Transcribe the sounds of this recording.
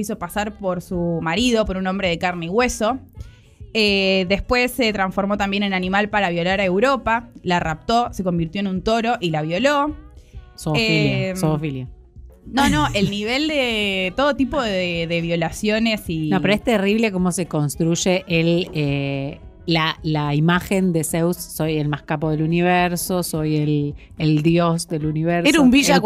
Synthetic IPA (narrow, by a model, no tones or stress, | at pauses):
iso̞pasaɾpo̞ɾsumaɾið̞o̞po̞ɾuno̞mbɾeðe̞kaɾneiɣwe̞so̞ | eðe̞spwe̞sːe̞t̪ɾaɱsfo̞ɾmo̞t̪ambje̞nenanimalpaɾaβjo̞laɾaewɾo̞palarap̚t̪o̞se̞ko̞mbiɾt̪joenũnt̪o̞ɾo̞ʔilaβjo̞lo | soeofilja | nono̞ʔelniβe̞ld̪et̪o̞ðot̪ipo̞ðeðeβjo̞lasjo̞ne̞sinopeɾoest̪eriβleko̞mo̞se̞ko̞nst̪ɾuʒeʔele | lalaimaxend̪e̞sewsːo̞jelmaskapoðe̞luniβeɾso̞so̞jel | eld̪josd̪eluniβeɾesɾaumbiʒa